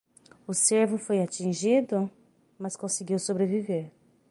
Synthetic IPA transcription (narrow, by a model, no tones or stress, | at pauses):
ʊseɾvʊfojat͡ʃĩʒid̪ʊ | mɐskõsiɡiwsobɾeviveɾ